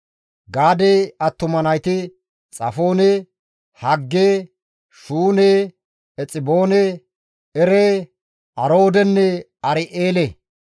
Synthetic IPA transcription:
ɡaːd̪eɐt̪ːʊmɐnɐjt̪ɪ | t͡sʼɐ̰fo̞ːnɛ | hɐɡːeː | ʃuːneː | ɛt͡sʼɪbo̞ːne | ɛɾeː | ʔɐɾo̞ːd̪ɛnːɛ | ɐɾɪʔeːle

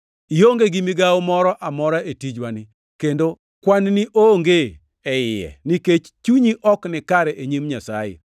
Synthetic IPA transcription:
ijoŋɡeɡimiɡawmɔɾɔʔamɔɾaetid͡ʒwanɪ | kendo | kwanniʔoŋɡe | ɛɪjɛ̰niket͡ʃt͡ʃuɲiʔɔknɪkaɾɛʔeɲimɲasa̰jḛ

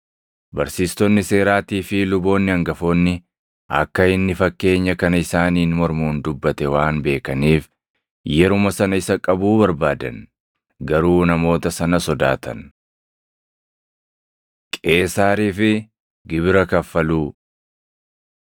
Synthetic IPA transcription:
bɐɾsiːst̪ɔnːɪse̞ːɾaːt̪iːfɪlʊbo̞ːnːɪɐŋɡɐfo̞ːnːɪ | ɐ̰kːɐɪnːɪfɐkːe̞ːɲːɐkɐnɐɪsaːniːnmɔɾmuːnd̪ʊbːɐt̪ɛwaːnbe̞ːkɐniːf | jɛɾʊmɐsɐnɐɪsɐkʼɐbuːbɐɾbaːd̪ɐ̰n | ɡɐɾuːnɐmo̞ːt̪ɐsɐnɐsɔd̪a̰ːt̪ʰɐ̰n | kʼe̞ːsaːɾiːfɪ | ɡɪbɾɐkɐfːɐluː

